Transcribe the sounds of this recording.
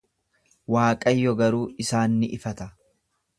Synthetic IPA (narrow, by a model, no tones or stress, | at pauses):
waːkʼɐjːɔɡɐɾuːɪsaːnːɪʔɪfɐt̪ɐ